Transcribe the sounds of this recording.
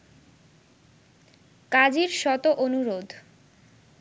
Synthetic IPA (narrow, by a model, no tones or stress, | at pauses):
kad͡ʑiɾʃɔt̪oʔonuɾod̪ʱ